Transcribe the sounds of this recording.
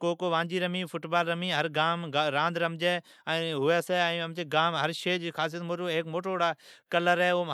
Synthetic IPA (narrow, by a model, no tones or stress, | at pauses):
koːkoʋãːɲd͡ʑiɾɐmĩːfʊʈbaːlɾɐmĩːɦɐɾɡaːmɡɾãːnd̪ɾɐmd͡ʑeː | ɛ̃ːɦʊeːseɛ̃ːɐmd͡ʑeːɡaːmɦɐɾʃeːd͡ʑixaːs̬ijət̪moːʈoɦekmoːʈooɽaːkɐləɾɦe